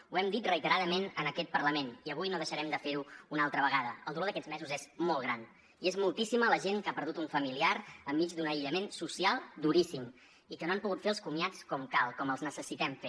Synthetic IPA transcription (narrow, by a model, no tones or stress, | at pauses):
uɛmd̪it̪rəit̪əɾaðəmenənəkɛt̪̚pəɾrləmeniəβ̞ujnoðəʃəɾɛmd̪əfeɾuːnalˠt̪ɾəβəɣ̞aðəə̰lˠd̪uloðəkɛzmɛzuzezmɔlˠɣɾan | iezmulˠt̪isimələʒenŋkapəɾð̞ut̪uɱfəmiliaɾəmːid͡ʒd̪unəiʎəmensusialˠd̪uɾisim | ikənoampuɣut̪feəlˠskumiat͡skɔmkalˠkɔməlˠznəsəsit̪ɛmfe